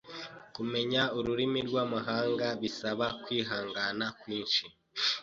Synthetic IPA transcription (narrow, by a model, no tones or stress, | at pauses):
kume̞ɲauɾuɾimiɾɡwaːmuɦaːŋɡaβisaβakwiːɦaːŋɡanakwiːnʃi